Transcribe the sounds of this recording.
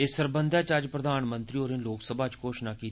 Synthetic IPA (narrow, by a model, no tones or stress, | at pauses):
esəɾbənd̪aːt͡ʃad͡ʒpɾəd̪aːnmə̃nt̪ɾiːoːɾɪ̃nloːksəbʱaːt͡ʃkoːʃnaːkiː